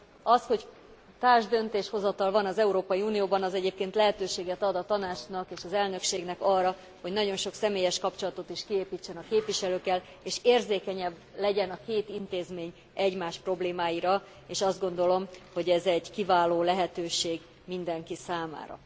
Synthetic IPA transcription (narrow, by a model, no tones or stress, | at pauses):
ɒsho̞c | t̪aːrʒd̪ø̞nt̪eːʃho̞zɒt̪ɒlvɒnɒzɛuɾoːpɒjiuːnijoːbɒnɒzɛɟeːp̚keːnt̪lɛɦɛt̪øːʃeːɡɛt̪ɒd̪ɒt̪ɒnaːt͡ʃnɒkeːʃɒzɛlnø̞kʃeːɡnɛkɒrːɒ | ho̞ɟnɒɟo̞nʃo̞ksɛmeːjɛʃkɒpt͡ʃo̞lɒt̪o̞t̪iʃkieːpiːt͡ʃːɛnɒkeːpviʃɛløːkːɛl | eːʃeːrzeːkɛɲɛbːlɛɟɛnɒkeːt̪int̪eːzmeːɲ | ʔɛɟmaːʃpro̞bleːmaːjiɾɒ | eːʃɒzd̪̚ɡo̞nd̪o̞lo̞mho̞ɟɛzɛɟkivaːloːlɛɦɛt̪øːʃeːɡ | mind̪ɛŋkisaːma̰ːɾɒ̰